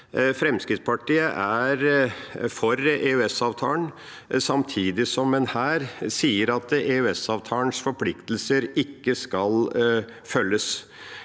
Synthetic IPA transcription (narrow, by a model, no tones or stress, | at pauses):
fɾɛmskɾɪt̪spʰɑʈʰiːəʔæɾfɔɾeʉɛsɑːʋt̪ʰɑːlən | sɑmt̪ʰiːd̪ɪsɔmːɛnhæːɾsiːəɾɑt̪eʉɛsɑːʋt̪ʰɑːənsfɔɾpʰlɪkt̪l̩səɾɪkːəskɑl | fœlːəs